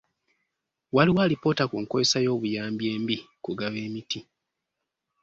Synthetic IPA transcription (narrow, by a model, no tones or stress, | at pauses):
waliwaːlipo̞ːtakuːŋkojesajo̞ːβujaːmbje̞ːmbi | kuɡaβeːmiti